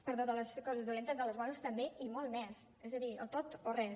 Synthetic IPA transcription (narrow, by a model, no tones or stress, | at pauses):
pəɾðoðələskɔzəzðulent̪əzðələzmanust̪əmbeʔimɔlˠmɛs | ɛzəðiə̰lˠt̪ot̪orɛ